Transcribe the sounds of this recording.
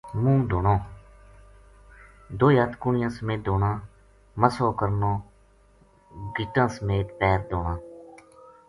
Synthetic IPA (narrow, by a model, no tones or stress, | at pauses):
mũːd̪oːɳõː | d̪oːiaːt̪kʊɳɪjãːsəmẽːt̪̚d̪oːnãː | məsoːkəɾnõː | ɡɪʈãːsəmeːt̪pɛːɾd̪oːɳãː